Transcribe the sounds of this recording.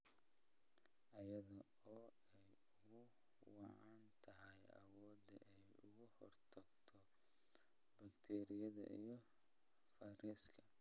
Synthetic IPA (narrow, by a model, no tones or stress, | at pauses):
ʔɐjɐðɐ | ɔːɛj | ʊɣʊ | wɑʕɑnt̪ʰɐɦɐjɐ̰wɔːd̪ɛ̰ʔɛjʊɣʊhɔrt̪ʰɐɡt̪ʰɔ | bɐkt̪ʰɛːɾijɐðɐ̰ʔijɔ | fɐɾislɐ